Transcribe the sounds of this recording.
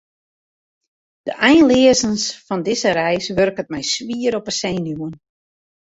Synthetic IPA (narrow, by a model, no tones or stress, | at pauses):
d̥əʔɛjnlɪəzənsfɔndɪzəɾɛjsʋørkət̚mɛjsʋiəɾɔpəsejnjuən